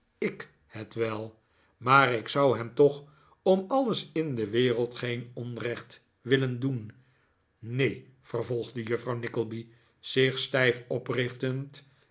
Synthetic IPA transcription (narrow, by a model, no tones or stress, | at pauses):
ɪk | hətʋɛlˠ | maːrɪksʌwɦɛmtɔχ | ɔmɑləsɪndəʋɪːrəlˠtχejnɔnrɛχt | ʋɪləndun | nejfərvɔlˠχdəjɵfrɑwnɪkəl̩ˠbi | z̥ɪχstɛjfɔprɪχtənt